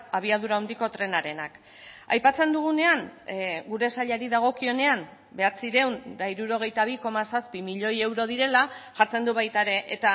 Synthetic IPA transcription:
aβ̞iað̞uɾaond̪iko̞t̪ɾe̞naɾe̞nak | a̰jpat͡se̞nd̪uɣ̞une̞aŋɡuɾe̞saʎaɾiðaɣ̞o̞kio̞ne̞am | be̞at͡siɾe̞wnd̪aiɾuɾo̞ɣ̞e̞jt̪aβ̞iko̞masaspimiʎo̞je̞wɾo̞ðiɾe̞laʝaɾt͡se̞nd̪uβajt̪aɾe̞ʔet̪a

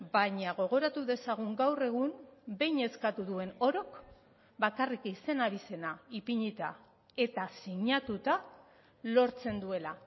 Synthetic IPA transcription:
baɲaɣ̞o̞ɣ̞o̞ɾat̪uðe̞saɣ̞uŋɡawre̞ɣ̞umbe̞jɲe̞skat̪uðue̞no̞ɾo̞k | bakarikise̞naβise̞naipiɲit̪a̰ | e̞t̪asiɲat̪ut̪a | lo̞ɾt͡se̞nd̪ue̞la

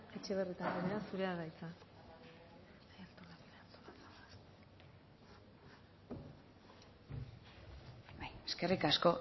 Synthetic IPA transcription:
e̞t͡ʃe̞βe̞rit̪aŋɡeneɾasuɾe̞aɣajt͡sa | jalt̪olatat̪ola | bajeske̞rikasko̞

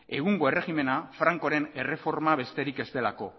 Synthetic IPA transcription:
e̞ɣuŋɡo̞e̞re̞ɣime̞nafɾaŋko̞ɾe̞ne̞re̞fo̞ɾmaβ̞e̞st̪e̞ɾike̞st̪e̞lako̞

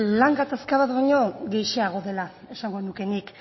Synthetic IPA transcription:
laŋɡat̪askaβat̪βaɲo̞ɣejʃeaɣ̞o̞ðe̞la | e̞saŋɡo̞nuke̞nik

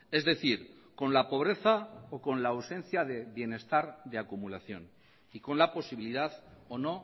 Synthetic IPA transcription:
e̞zðe̞θiɾ | ko̞nlapo̞β̞ɾe̞θaoko̞nlawsẽ̞n̟θjaðeβje̞ne̞st̪aɾðe̞akumulaθjo̞̰n | iko̞nlapo̞siβiliðaðono̞

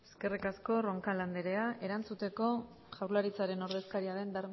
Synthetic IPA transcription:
eske̞rikasko̞ro̞ŋkaland̪e̞ɾe̞ae̞ɾant͡sut̪e̞ko̞ | ʝawɾlaɾit͡saɾe̞noɾðe̞skaɾiaðe̞nb̪aɾ

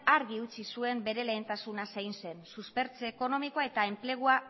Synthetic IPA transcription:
aɾɣiut͡sisue̞mbe̞ɾe̞le̞ːnt̪asunasejnse̞nsuspe̞ɾt͡seːko̞no̞miko̞ae̞t̪ae̞mple̞ɣ̞ua

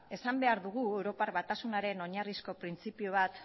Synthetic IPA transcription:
e̞sambe̞aɾðuɣ̞ue̞wɾo̞paɾβat̪asunaɾe̞no̞ɲarisko̞pɾint͡sipioβ̞at̪

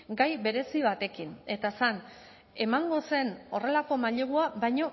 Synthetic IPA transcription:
ɡajβe̞ɾe̞siβ̞at̪e̞kine̞t̪asan | e̞maŋɡo̞se̞no̞re̞lako̞maʎeɣuaβajɲo̞

